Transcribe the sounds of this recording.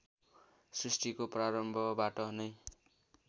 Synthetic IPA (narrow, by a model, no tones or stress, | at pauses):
srisʈikopraɾʌmbʱʌbaʈʌnʌj